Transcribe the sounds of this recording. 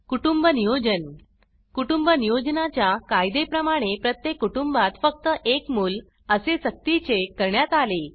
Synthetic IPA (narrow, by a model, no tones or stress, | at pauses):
kuʈumbənijod͡ʑən | kuʈumbənijod͡ʑnat͡ɕjakajd̪epɾəmaɽ̃epɾət̪jekːuʈumbat̪fək̚t̪əʔekmuːl | əsesək̚t̪it͡sekəɾɳjat̪ale